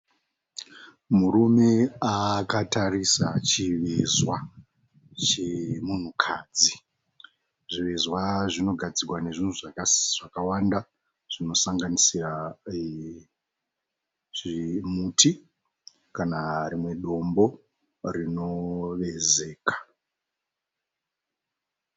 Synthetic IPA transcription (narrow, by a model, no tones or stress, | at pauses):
muɾume̞akatarisat͡ʃiʋezwa | t͡ʃemun̤ukʰaːd͡zi | ʐiʋezwaʐino̞ɡʱad͡zirwane̞ʐin̤uʐakʐ̥akawanda | ʐ̥ino̞saŋɡanisira | ʐimuːtʰi | kanaɾimwe̞ɗo̞mbo̞ | rino̞ʋe̞ze̞ːkḁ